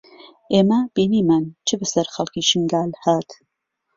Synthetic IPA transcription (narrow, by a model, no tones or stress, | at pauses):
ʔeːmɐb̥iːniːmaːnt͡ʃʰɨbɨsɐɾxɐlˠkiːʃɨŋɡaːlhaːt̪